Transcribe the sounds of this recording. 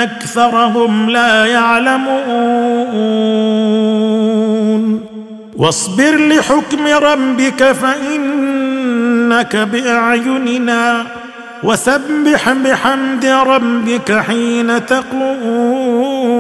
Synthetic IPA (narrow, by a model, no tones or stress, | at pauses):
ʔakθɑɾˤɑɦʊmlaːjaʕlamu | n | wɑsˤbɪɾlɪħʊkmɪɾˤɑbbɪkafaʔɪn | akabɪʔaʕjʊnɪnaː | wasabːɪħbɪħamd̪ɪɾˤɑbbɪkaħiːnat̪ɑqlʊʔuː